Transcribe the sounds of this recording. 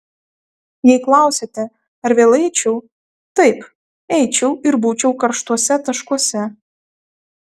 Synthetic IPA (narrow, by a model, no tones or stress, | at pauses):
jɛjklˠɑwsʲet̪ʲɛ | ɐɾʋʲeːlˠɛɪt͡ʃʲɛw | t̪ɐɪp | ɛjt͡ʃʲɛwɪɾbuːt͡ʃʲɛwkɐɾʃt̪uɔsʲɛt̪ɐʃkuɔsʲɛ